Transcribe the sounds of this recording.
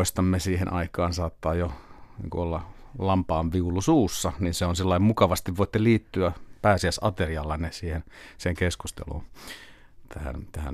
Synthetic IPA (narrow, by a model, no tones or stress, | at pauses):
ist̪ɑmːesiːhḛnʔɑikɑːnsɑːt̪ːɑːjonḭːŋkṵolːɑ | lɑmpɑːnʋiulusuːsːɑninseonsilːɑimmukɑʋɑst̪iʋʋoˑit̪ːeliːt̪ːyæpæːsiæsɑt̪eriɑlːɑnnesiːhenseŋkeskust̪ḛlṵːn | t̪ʰæhæ̰nt̪æhæ̰n